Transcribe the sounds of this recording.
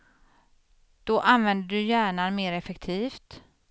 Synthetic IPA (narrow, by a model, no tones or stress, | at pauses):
d̪̥ɔʔanvɛnd̪əɖɵjæːɳanmeːɾɛfɛkt̪ʰiːft̪